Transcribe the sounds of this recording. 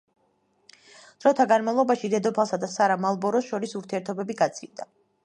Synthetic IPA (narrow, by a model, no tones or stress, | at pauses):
d̪̥ɾɔt̪ʰaɡanmavlˠɔbaʃid̪ɛd̪ɔpʰalˠsad̪asaɾamalˠbɔɾɔsʃɔɾisuɾt̪ʰiɛɾt̪ʰɔbɛbiɡat̪sʰild̪a